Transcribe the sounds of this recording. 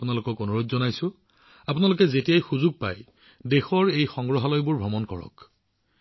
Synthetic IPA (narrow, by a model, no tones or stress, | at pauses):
pʊnalʊkɔkonuɹutzɔnajsʊ̃ | apʊnalʊk̬ɛzetijajxuzuɡ̚pa̰j | dexɔɹejxɔŋɡɹɔɦalɔjbʊɹbʱɔmɔnkɔ̰ɹɔ̰k